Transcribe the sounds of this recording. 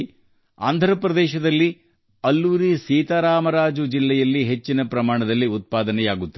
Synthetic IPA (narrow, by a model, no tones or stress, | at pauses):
a̰ːnd̪ʱɐɾɐpɾɐd̪ɛːʃɐd̪ɐlːi | ɐlːuːɾisiːt̪aːɾaːmɐɾaːd͡ʒud͡ʒilːɛjɐlːiɦet͡ʃːinɐpɾɐmaːɳɐd̪ɐlːiut̪̚paːd̪ɐnɛjaːɡut̪ːɐ